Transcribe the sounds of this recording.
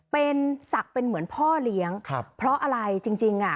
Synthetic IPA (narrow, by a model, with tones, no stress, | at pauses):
pe˧nsa˨˩k̚pe˧nmɯ˩˦ənpʰɔː˥˩li˦˥əŋkʰa˧pʰɾɔ˦˥ʔa˧ɾa˧jt͡ɕi˧ŋt͡ɕi˧ŋʔa˨˩